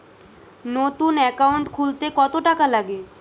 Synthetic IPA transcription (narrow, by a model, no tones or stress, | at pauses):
not̪unɛkauɳʈkʰult̪ekɔt̪oʈakalaɡe